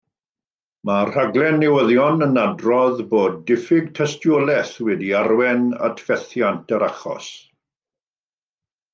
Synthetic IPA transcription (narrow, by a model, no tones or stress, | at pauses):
mar̥aɡlˠɛnːɛwəðjɔnənadrɔðboːd̚ːɪfɪɡ̚tʰɛstjolɛθwɛdiaɾwɛna̰tʰv̥ɛθjantʰəɾaχɔ̰s